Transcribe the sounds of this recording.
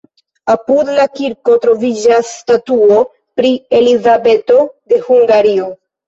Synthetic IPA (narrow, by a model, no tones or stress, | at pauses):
apudlakiɾko̞tɾo̞vid͡ʒastatuo̞ | pɾie̞lizabe̞to̞de̞huŋɡaɾio̞